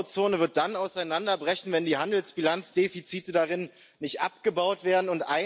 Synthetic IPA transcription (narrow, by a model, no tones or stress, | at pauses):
t͡soːnəvɪɐt̚d̥anaʊsaɪnandɐbʁɛçn̩vɛndiːɦandl̩sb̥ilant͡sd̥eːfit͡siːtədaʁɪn | nɪçtʔa̰pɡ̥əbaʊtv̥eːɐdn̩ʊntʔaɪ